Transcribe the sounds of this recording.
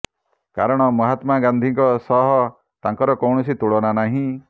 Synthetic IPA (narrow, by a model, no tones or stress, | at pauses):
kaɾɔɽ̃ɔmɔɦat̪maɡand̪ʱiŋkɔsɔɦɔ | t̪aŋkɔɾɔkɔwɳ̃ɔsit̪uɭɔnanaɦĩ